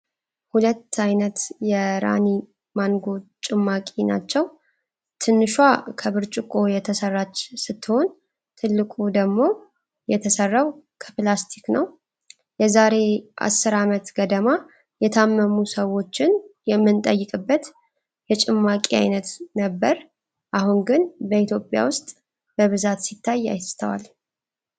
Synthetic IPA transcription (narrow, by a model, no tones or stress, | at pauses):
hulət̪ʰːajnət̪jɛɾa̰ni | manɡo̞t͡ʃʼɪmːakʼina̰t͡ʃːɛw | t̪ʰɨnːɨʃwakʰəβɨɾt͡ʃʼɪkʼo̞jɛt̪ʰəsərːat͡ʃːsɨt̪ːɨho̞n | t̪ʰɨlːɨkʼud̪əɡmo̞ | jɛt̪ʰəsərːawkʰə̥plast̪ʰi̥knəw | jɛzaɾe̞ʔa̰sːɨɾamət̪ɡəd̪əma | jɛt̪ʰamːəmusəwo̞t͡ʃːɪnjɛmːɨnt̪ʼəjːɨkʼɨbːət̪ | jɛt͡ʃʼɪmːakʼia̰jnət̪nəbːəɾ | ʔahunɡɨnbəit̪ʰjopʼja̰wʊst̪ʼ | b̥əβɨzat̪sit̪ʰːajːa̰jst̪ʰəwa̰l